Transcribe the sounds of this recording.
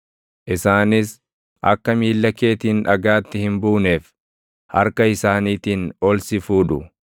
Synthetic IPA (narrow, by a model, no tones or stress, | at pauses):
ʔɪsaːnɪs | ʔɐ̰kːɐmiːlːɐke̞ːt̪iːnᶑɐɡaːt̪ːɪhɪmbuːneːf | hɐ̰ɾkɐɪsaːniːt̪iːnɔlsɪfuːᶑʊ